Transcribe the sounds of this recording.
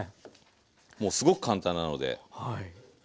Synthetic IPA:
mo̞ːsɨɡo̞kɯ̟̥kʰãnt̪ãnːano̞̰d̪e̞̰hai

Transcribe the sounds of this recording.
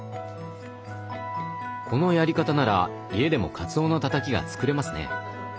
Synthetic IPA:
kʰo̞no̞jaɾʲikat̪anaɾa̰ | ie̞d̪e̞mo̞̰kʰat͡sɨo̞ːnot̪at̪akʲiɡa̰t͡sɨ̥kɯ̟ɾe̞masɨne̞̰

